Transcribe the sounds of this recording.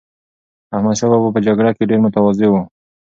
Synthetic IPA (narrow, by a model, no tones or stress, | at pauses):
ahmad̪ʃababap̬əd͡ʒaɡɽakeɖeɾmʊt̪awazewu